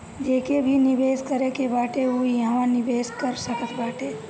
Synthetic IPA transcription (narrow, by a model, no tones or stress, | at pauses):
d͡ʒeːkebʱinɪbeːskəɾekebaːʈeɦujɐɦʋãnɪbeːskɐɾsɐkət̪baːʈeː